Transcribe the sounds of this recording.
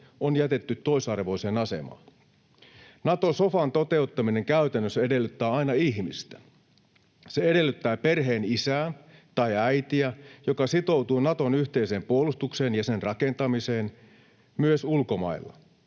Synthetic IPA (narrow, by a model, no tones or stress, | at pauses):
onjæt̪e̞t̪ːyt̪ːo̞isɑrʋo̞ise̞ːnɑse̞̰mɑ̰ːn | nɑt̪osofɑnt̪o̞t̪e̞ut̪ːɑmine̞ŋkæyt̪ænːøsede̞lːyt̪ːæːɑinɑihmist̪æ̥ | seede̞lːyt̪ːæːpe̞rɦe̞ːnisæːnt̪ɑjæjt̪iæjokɑsit̪o̞wt̪uːnɑt̪o̞nyçt̪eise̞ːmpuolust̪ukse̞ːnjɑse̞nrɑke̞nt̪ɑmise̞ːn | myøsulko̞mɑ̰ilːɑ̰